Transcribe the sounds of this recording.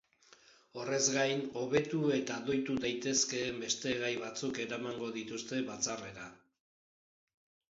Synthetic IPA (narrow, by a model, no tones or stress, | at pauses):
o̞re̞zɡajno̞βe̞t̪ue̞t̪ado̞jt̪ud̪ajt̪e̞ske̞ːmbe̞st̪e̞ɣajβat͡suke̞ɾamaŋɡo̞ðit̪ust̪e̞βat͡sare̞ɾa